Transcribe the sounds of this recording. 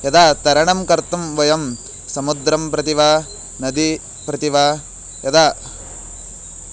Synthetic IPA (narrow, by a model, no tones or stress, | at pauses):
jɐd̪aːt̪ɐɾɐɳɐmkɐɾt̪ɐmʋɐjɐm | sɐmud̪ɾɐmpɾɐt̪iʋa | nɐd̪i | pɾɐt̪iʋa | jɐd̪aː